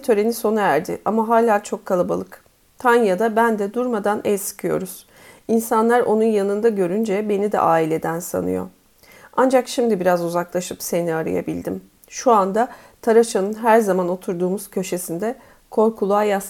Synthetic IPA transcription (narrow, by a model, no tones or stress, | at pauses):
t̪ʰø̞ɾe̞niso̞naæɾd̪ɪ̰ʔamaɦaːlʲaːt͡ʃʰo̞kʰːalˠaba̰lˠɯk | t̪ʰanjad̪abænd̪ɛd̪uɾmad̪anɛlʲsɯ̥kʰɯjo̞̰ɾuz̥ | insanlˠaɾʔo̞nunjanɯnd̪aɟø̞ɾynd͡ʒɛbe̞nid̪ɛ̰ʔaːilʲe̞d̪ænsa̰nɯ̰jo̰ | and͡ʒakʃimd̪ibiɾazuzaklˠaʃɯpse̞niaɾɯ̰ja̰bilʲd̪im | ʃuand̪a | t̪ʰaɾat͡ʃanɯnɦæɾzamano̞t̪ʰuɾd̪uːmuz̥cʰø̞ʃe̞sind̪ɛ | kʰo̞ɾkʰulˠaːjas